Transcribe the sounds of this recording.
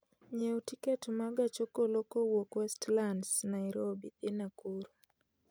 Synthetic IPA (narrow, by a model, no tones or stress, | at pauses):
ɲeutiketmaɡat͡ʃokolokowokwɛstlandsnaɪɾobit̪enakuɾo